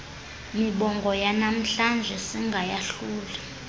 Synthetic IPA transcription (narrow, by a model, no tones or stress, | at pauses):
miɓɔŋɡʱɔjanam̩ɬand͡ʒʱɛsiŋɡʱajaɬuːla